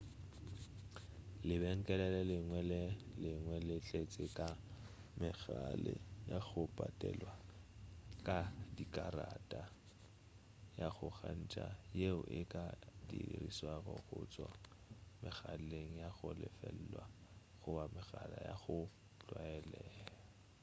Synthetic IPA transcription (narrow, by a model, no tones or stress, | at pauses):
lɪbɛŋ̩kʼɛlɛlɛlɪŋwɛlɛlɪŋwɛlɪt͡ɬʼet͡sʼɪkʼa | mɪɣalɪjaɣʊpʼatʼɛlwa | kʼadikʼaratʼa | jaɣʊɣan̩t͡ʃʼajeʊʔɪkʼadiriswarɔɣʊt͡sʼwa | mɪɣaleŋ̩jaɣʊlɪfɛl̩lwa | χʊbamɪɣalajaχʊ | t͡ɬwaɛlɛːlla